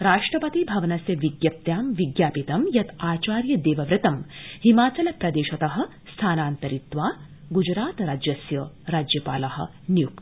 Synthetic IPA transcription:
ɾaːʂʈɾɐpɐt̪ibʱɐʋɐnɐsjɐʋiɡjɐp̚t̪jaːmʋiɡjaːpit̪ɐmjɐt̪aːt͡ʃaːɾjɐd̪eːʋɐʋɾɨt̪ɐmhimaːt͡ʃɐlɐpɾɐd̪eːʃɐt̪ɐɦɐ̆ | st̪ʰaːnaːnt̪ɐɾit̪ʋaː | ɡud͡ʒɾaːt̪ɾaːd͡ʒjɐsjɐɾaːd͡ʒjɐpaːlɐɦɐ̆ | njuk

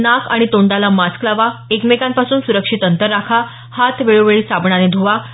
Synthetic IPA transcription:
naka̰ɽ̃it̪oɳɖalamasklaʋaekmekãmpasuːnsuɾəkʂit̪ənt̪əɾːakʰa | hat̪ʰʋeɭoʋeɭiːsabɳaned̪ʱoʋa

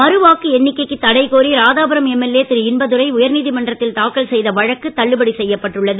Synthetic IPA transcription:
mɐɾɯʋaːkːɯɛnːɪkːɐɪkːɯt̪ːɐɽɐɪkoːɾiɾaːðaːbɐɾɐmɛmːɛlːeːt̪ɪɾɯɪnbɐðɯɾɐɪʊjɐɾniːðimɐɳɖrɐt̪ːɪlt̪aːkɐɭsɛjðɐʋɐɻɐkːɯt̪ːɐɭːɯbɐɽisɛjːɐpːɐʈːɯɭːɐðɯ

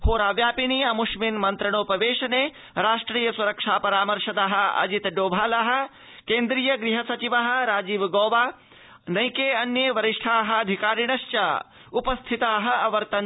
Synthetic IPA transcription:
hoːɾaːʋjaːpiniːɐmuʃminmɐnt̪ɾɐɳoːpɐʋeːʃɐneː | ɾaːʂʈɾiːjɐsuɾɐkʂaːpɐɾaːmɐɾʃɐd̪aɦɐ̆ɐ̰d͡ʒit̪ɖoːbʱaːlaɦɐ̆ | keːnd̪ɾiːjɐɡɾiɦɐsɐt͡ʃiʋaɦɐ̆ɾaːd͡ʒiːʋɡoːʋaː | nɐjkeːɐnjeʋɐɾiʂʈʰaːɦɐ̆ɐd̪ʱikaːɾiɳɐʃt͡ʃaː | upɐst̪ʰit̪aːɦɐ̆ɐʋɐɾt̪ɐn

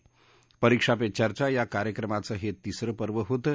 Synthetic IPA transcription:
pəɾikʂapet͡ɕaɾt͡ɕajakaɾjəkɾəmat͡səɦet̪isɾəpəɾʋəɦot̪ə

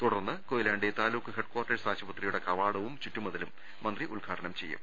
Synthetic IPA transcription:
t̪uɽɐrnːɨkoːjilaːɳɖet̪aːluːkːɨɦeɖ̚kwaːrʈːɐɾsaːɕɐbɐt̪rijuɽe̞kɐʋaːɽɐʋumt͡ɕutːumuðɐlumː | ɐnd̪riʔulɡʱaːʈʰɐnɐmt͡ɕe̞jːṵm

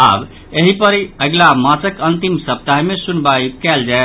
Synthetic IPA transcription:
a̰b | eɦipəɾəɡlamãt͡ʃəkənt̪imsəb̚t̪aɦimesunbajkɛld͡ʒae

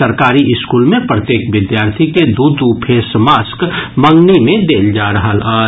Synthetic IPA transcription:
əɾkaːɾiʔɪskulmẽpɾət̪jeːkʋɪd̪jaːɾt̪ʰiked̪ud̪upʰesmaːskmə̃ŋɡnimẽd̪eːld͡ʒaɾəɦələː

